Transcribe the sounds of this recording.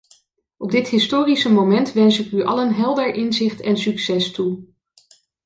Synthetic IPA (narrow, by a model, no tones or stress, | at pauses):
ɔb̚dɪtɦɪstoːrisəmomɛntʋɛnsɪkyʔɑ̰lənɦɛlˠdəɹʔɪnzɪχtɛnsyksɛstu